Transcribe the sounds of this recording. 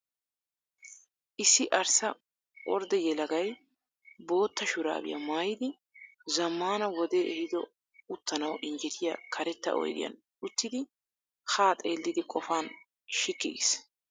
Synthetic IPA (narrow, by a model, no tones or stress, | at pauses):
ʔɪsːɪʔɐɾsɐ | ɔɾd̪ɛjɛlɐɡɐj | bo̞ːt̪ːɐʃʊɾa̰ːbɪ̰jɐ̰maːjɪd̪ɪ | zɐmːaːnɐwɔd̪eːʔɛhɪd̪ɔ | ʊt̪ːɐnɐwʔɪnd͡ʒɛt̪ʰɪja̰kʰɐɾɛt̪ːɐ̰ʔɔ̰jd̪ɪ̰jɐ̰n | ʊt̪ːɪd̪ɪ | haːt̪ʼeːlːɪd̪ɪkʼɔfaːn | ʃɪkːɪɡɪ̰s